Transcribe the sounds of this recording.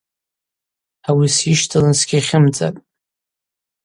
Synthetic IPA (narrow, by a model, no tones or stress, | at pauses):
awisiʃtʰalɨnsɡʲiχʲɪmt͡sʼa̰tʼ